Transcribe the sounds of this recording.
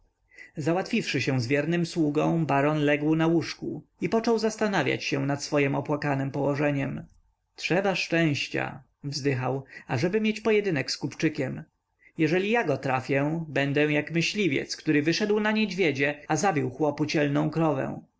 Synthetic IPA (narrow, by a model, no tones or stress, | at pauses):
zawat̪fʲifʂɘɕɛw̃zvʲjɛɾnɘmswuɡɔ̃w̃baɾɔnlɛɡwnawuʂkuipɔt͡ʂɔwzast̪anavʲja̰t͡ɕɕɛ̃nat̪sfɔjɛmɔpwakanɘmpɔwɔʐɛɲɛm | tʂɛbaʂt͡ʂɛ̃w̃ɕt͡ɕa̰ | vzd̪ɘxawaʐɛbɘmʲjet͡ɕpɔjɛd̪ɘnɛkskupt͡ʂɘkʲɛm | jɛʐɛlʲijaɡɔt̪ɾafʲjɛbɛnd̪ɛw̃jakmɘɕlʲivʲjɛ̰t̪skt̪uɾɘvɘʂɛd̪wnaɲed͡ʑvʲjɛd͡ʑɛazabʲiwxwɔput͡ɕɛlnɔ̃w̃kɾɔvɛ̰̃w̃